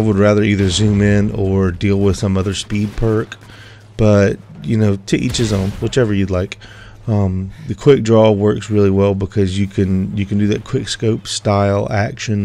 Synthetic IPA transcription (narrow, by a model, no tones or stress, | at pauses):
aɪwəd̚ɹæðə˞iðə˞zʉ̃mɪ̃nə˞dilˠwɪð̥sʌ̃mʌðə˞spid̚pʰɜ˞k | b̥ʌt̚jɨnoʊtʰɨʔḭt͡ʃɨzn̩wʌt͡ʃɛvə˞jɨdˡlaɪk | ʌ̃mðɨkʰw̥ɪk̚dɹɔwɜ˞ksɹɪlˠiwɛlˠbəkʰʌzjɨkʰɨ̃njɨkɨ̃n̩dɨðɨt̚kʰw̥ɪkskoʊpstaɪlˠækʃɨ̃n